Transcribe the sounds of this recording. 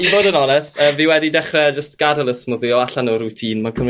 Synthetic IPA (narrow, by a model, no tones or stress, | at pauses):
iboːdənɔnɛstʰəviwɛdidɛχrɛd͡ʒəstɡ̥adalˠəsmʊðiɔaɬanɔɾutʰiːnmakʰəm